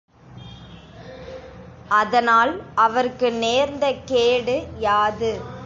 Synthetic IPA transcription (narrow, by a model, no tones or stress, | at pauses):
ʔɐðɐnaːlʔɐʋɐɾkɯneːɾnd̪ɐkeːɽɯjaːðɯ